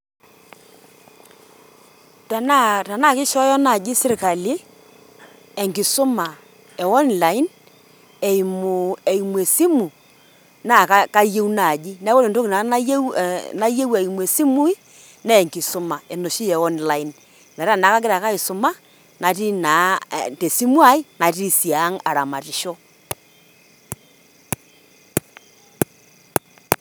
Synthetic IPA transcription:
ta˨na˦ta˨na˦˨kɪ˦ʃɔ˦jɔ˦na˨d͡ʒi˦sɪ˦ɾka˨li˦ | ɛ˨ŋki˨sʊ˦ma˨ | ɛ˨ɔ˦nla˨ɪ˦n | e˨mu˨e˨i˨mwe˨si˦mu˨ | na˦˨ka˦ka˦je˦wna˨d͡ʒi˦nɛ˦wo˦li˨nto˦kna˨˦na˦je˦wa˨i˨mwe˨si˦mu˦i˦ | nɛ˦˨ŋki˨so˦ma˨e˨no˨ʃi˦jɛ˨ɔ˦nla˨i˨n | lɛ˨ɾa˦˨na˨˦ka˦ɡ̬e˦ɾa˨ka˦i˨su˨ma˦ | na˨ti˦na˨˦te˨si˦mwa˦i˦na˨t̬i˦˨si˨aː˨˦ŋa˨ɾa˨ma˨ti˨ʃo˦

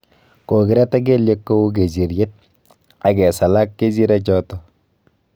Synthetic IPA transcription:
ko˨kɪ˦ɾɛ˦ta˦k̬e˦lje˦kːo˦u˦k̬e˨d͡ʒi˨ɾje˦t̚ | a˨kɛ˨sa˨la˦kːe˦d͡ʒi˦ɾɛ˦t͡ʃɔ˦tɔ˨

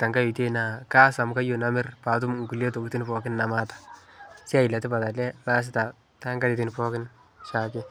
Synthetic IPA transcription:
ta˨ŋɡa˦i˨te˦na˨ka˦sa˨mka˦jo˨na˦mɪ˦rpa˨t̬ʊ˦mŋɡu˨le˦to˨ki˦ti˦npɔ˨kɪ˦nːa˨ma˦tḁsi˦a˦˨i˨la˨tɪ˦pa˨ta˨lɛ˦na˦s̬ɪ˦ta˨ | ta˦ŋɡa˦di˨ti˦npɔ˦kɪ˦n | ʃa˨kɪ

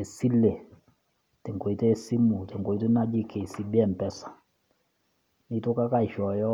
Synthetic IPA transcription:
e˨si˦le˨ | tɛ˨ŋko˨i˨te˦si˦mu˨tɛ˨ŋɡo˨i˦tu˦na˦d͡ʒi˦kʰe˨si˨bɛ˦˨m˨pɛ˦sḁ˨ | ni˦tu˦ka˦ka˦˨i˨ʃɔ˨jɔ˦

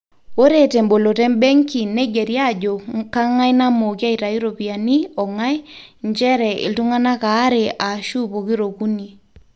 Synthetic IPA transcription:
o˦ɾe˨tɛ˨mbo˨lo˨tɛ˦mbɛ˦ŋki˨ne˦ɡɛ˨ɾja˦˨d͡ʒo˨ka˦ŋa˦jna˦mo˨kja˦i˨ta˨i˦ɾo˨pi˨a˨ni˦ɔ˨ŋa˦j | ɲt͡ʃɛ˦ɾɛ˨ɪ̰˨ltu˦ŋa˦na˦kaː˨˦ɾe˨ʔa˨ʃu˦po˨ki˦ɾo˨ku˦ni˨

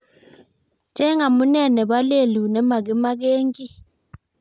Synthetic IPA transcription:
tɛ˦ŋa˨mu˦nɛ˦˨nɛ˨ɓa˦le˦˨lu˨nɛ˨˦ma˨ɡi˦ma˦ɡ̬e˦ŋɡi˦

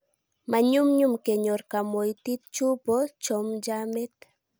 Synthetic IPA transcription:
ma˨ɲu˦mɲu˦mke˨ɲo˨ɾka˨mo˨jt̪i˦t̪̚t͡ʃu˦pɔt͡ʃɔmd͡ʒamɛ˦t̪

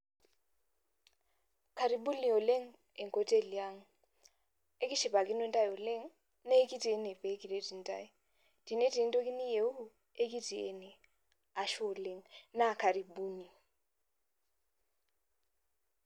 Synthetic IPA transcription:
kʰa˨ɾi˨ɓu˦ni˨ɔ˨le˦ŋ̩ | e˨ŋ˨kʼɔ˦tʼe˦˨li˨a˦ŋ̩˨ | e˦kʼi˦ʃi˨ba˨kʼi˦nwe˦ntʼa˦jɔ˨le˦ŋ̩˦ | nɛ˦i˦kʼi˦ti˨ɛ˦nɛ˨be˨˦kʼi˨le˦di˨n˦tʼa̰˦˨i˨ | d̥i˨ne˦di˨n˦tʼo˦k̬ʼi˦ni˦je˨˦u˦ | e˦k̬ʼi˦ti˨ɛ̰˦nɛ˨ | a˨ʃɔ˦˨le˦ŋ̩na˦˨kʰa˨ɾi˨ɓuː˦ni˨

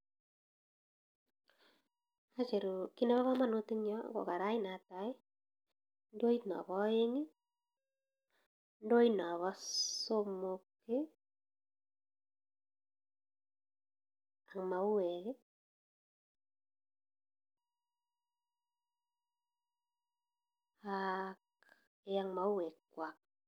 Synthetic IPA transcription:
a˦t͡ʃe˨ɾu˨ki˦ne˦βa˦βa˦ma˦nu˦ti˦ŋjɔ̰˦ɡo̰˨ka˨ɾa˦i˦na˨ta˨i˦ | ndo˦i˦tnɔ̰˨βɔ˦e˦ŋi˦ | ndo˦inɔ˨βɔ˦so˦mo˨kː | ɪ˦ | a˨ŋma˨u˦wɛ˨ke˦ | ak | e˦ja˨ŋma˨u˦wɛ˨kːwa˨k̚

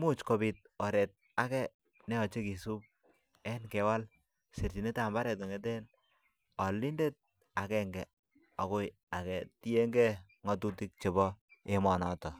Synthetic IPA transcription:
mu˦t͡ʃkɔ˨bi˨t̚ɔ˨ɾɛ˨t̚ | a˨kɛ˦ | nɛ˦ɔ˨t͡ʃe˦ki˨su˦p̚ | ɛ˦nkɛ˨wa˦l | si˨ɾti˨ne˦ta˨mba˦ɾɛ˨t̬ɔ˨ŋe˨˦t̬e˦n | ɔ˨li˦nde˦t̚ | a˨kɛ˨ŋɡɛ˨ | ɔ˨kʊ˦j | a˨kɛ˨ti˦e˦ŋɡɛ˦ | ŋɔ˨tu˦ti˦k̚t͡ʃe˨bɔ˦e˦mɔ˨nɔ˨tɔ˨

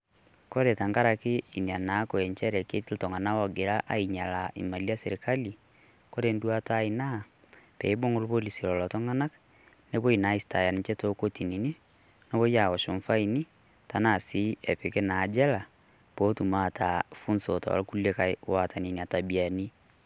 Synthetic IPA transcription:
kɔ˦ɾɛ˨ta˨ŋɡa˦ɾa˨ke˦i˨ni˨a˨na˨˦ko˨ɛ˨ɲt͡ʃɛ˦ɾɛ˨ke˦ti˦ltɔ˨ŋɡa˨na˦wɔ˨ɡe˨ɾa˦ʔa̰˦i˨ɲa˨la˨ʔḭ˨ma˨li˦a˦sɛ˨ɾeka˦li˨ | ko˦ɾe˦ndu˦a˦ta˦ina˦ | pɛ̰˨i˦bo˦ŋɡo˦lu˦βo˦li˨si˨lɔ˨lɔ˨tɔ˦ŋa˦na˦k | ne˦βo˦i˨na˨˦i˦sta˨ja˨ni˨t͡ʃɛ˦to˦ko˦ti˨ni˨ni˦ | nɔ˦βo˦ja˨ɔ˨ʃo˨ɱfa˦ini˦ | ta˨na˦˨si˦ɛ˨pe˨kɛ˦na˨d͡ʒɛ˦la˨ | bo˦tu˨ma˦tʰafu˦nso˨tɔ̰˨a̰lku˦le˦kawa˨ta˨ni˨nia˨ta˨bi˨a˨ni˦

